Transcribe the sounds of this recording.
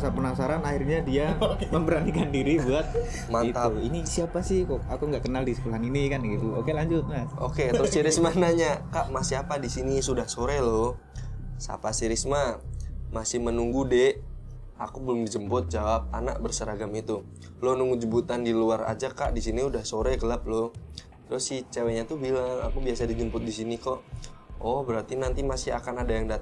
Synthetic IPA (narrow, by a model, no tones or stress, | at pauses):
sapənasaɾanahirɲadiaməmbəɾanikandiɾibuat̪̚ | mant̪alinisiapasɪhkokakuŋɡaʔkənaldisəkulaaninikanɡit̪uokelaɲd͡ʒʊt̪̚mao̰ket̪ɾʊssiɾɪsmanaɲakaʔmasɪapadisinisudahsoɾelo | sa̰pasiɾɪsmamasɪhmənuŋɡude | akubəlʊmŋdid͡ʒəmpʊt̪̚d͡ʒawap̚a̰na̰ʔ̚bərsəɾaɡamit̪u | lʊhnuŋɡud͡ʒəbut̪andiluaɾa̰d͡ʒakaʔdisiniudahsoɾɛɡəlap̚loh | t̪ɾʊsːɪht͡ʃeweɲat̪ʊhbilaŋa̰kubiasadid͡ʒəmpʊt̪̚disinikɔʔɔhbəɾart̪inant̪imasɪɦa̰kanadajaŋda